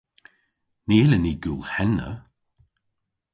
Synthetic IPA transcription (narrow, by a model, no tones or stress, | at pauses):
neːləniːɡulhɛnə̰